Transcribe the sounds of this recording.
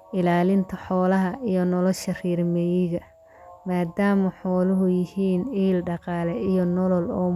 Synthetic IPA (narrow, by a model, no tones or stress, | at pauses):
ɪlaːlɪnt̪ʰɐħɔːlɐɦɐʔijɔnɔlɔʃɐriːrmɛjɪɣɐ | maːd̪aːmɐħɔːlʊɦʊjɪhiːniːlɖɑqɑːlɛʔijɔnɔlɔlɔː